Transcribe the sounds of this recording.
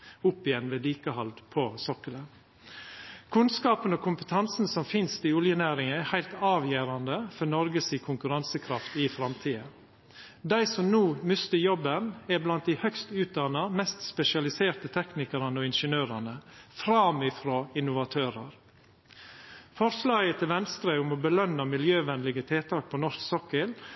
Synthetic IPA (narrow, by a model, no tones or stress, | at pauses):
ʊpːɪjɛnʋeːliːkəhɑld̪pʰosɔkələn | kʰʉnskɑːpənɔːkʰʊmpə̥t̪ʰɑnsn̩sɔmfɪnst̪iːʊljənæːɾɪŋəæhæɪlt̪ɑːʋjeːɾɑnd̪əfɔnɔɾɡəsiːkʰʊŋkʉɾɑnsəkʰɾɑft̪iːfɾɑmt̪ʰiːə | d̪æɪsɔmnuːmʏst̪əjɔbənæblɑnt̪̚d̪ɪhœkst̪ʉːt̪̚d̪ɑnɑmɛst̪spɛʃɪɑlɪseːɾt̪ət̪ʰɛknɪkəɾɑnəɔːɪnʃənøːɾɑnəfɾɑmɪfɾoːɪnʊʋɑt̪ʰøːɾəɾ | fɔɾslɑːɡət̪ʰɪlʋɛnst̪ɾəʊmɔbəlœnɑmɪljøːʋɛnlɪɡət̪ʰeːt̪ʰɑːk̚pʰɔnɔʂksɔkəl